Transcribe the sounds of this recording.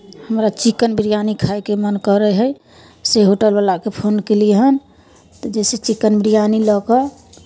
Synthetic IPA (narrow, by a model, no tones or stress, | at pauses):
həmɾat͡ʃikənbɾijanikʰajkemənkəɾəɦəj | seɦoʈəlbalakepʰonkeliɦən | t̪ɔd͡ʒeset͡ʃikənbɾijanilɔkə